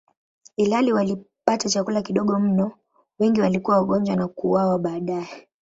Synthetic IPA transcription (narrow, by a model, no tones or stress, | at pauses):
ilaliwali | patat͡ʃakulakiɗɔɠɔm̩nɔ | wɛŋɡiwalikuwawaɠɔɲd͡ʒwanakuwawaɓaːɗajɛ